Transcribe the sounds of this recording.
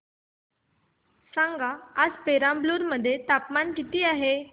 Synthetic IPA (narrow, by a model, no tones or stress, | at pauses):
sãŋɡaːd͡zpeɾãmbluːɾməd̪ʱːjet̪apmanʈ̪it̪iːaɦe